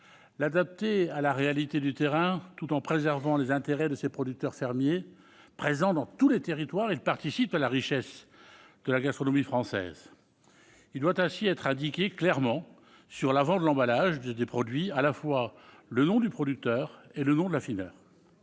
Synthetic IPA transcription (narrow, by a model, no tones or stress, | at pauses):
lad̪ap̚t̪ealaʁealit̪ed̪yt̪eʁɛ̃t̪ut̪ɑ̃pχezɛʁvɑ̃lezɛ̃t̪eʁɛd̪əsepχɔd̪yk̚t̪œʁfɛʁmje | pχezɑ̃d̪ɑ̃t̪ulet̪eʁit̪waʁilpaʁt̪isipalaʁiʃɛsd̪̥əlaɡast̪χɔnɔmifχɑ̃sɛ̰z | ild̪wat̪ɛ̃siɛt̪χɛ̃d̪ikʲeklɛʁmɑ̃ | syʁlavɑ̃d̪əlɑ̃balaʒdd̪epχɔd̪ɥialafwa | lənɔ̃d̪ypχɔd̪yk̚t̪œːʁelənɔ̃d̪əlafinœ̰ːʁ